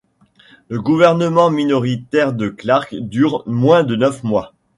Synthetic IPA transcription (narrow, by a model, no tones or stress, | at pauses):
ləɡuvɛʁnəmɑ̃minɔʁit̪ɛʁd̪əklaʁkd̪yʁmwɛ̃d̪ənœfmwa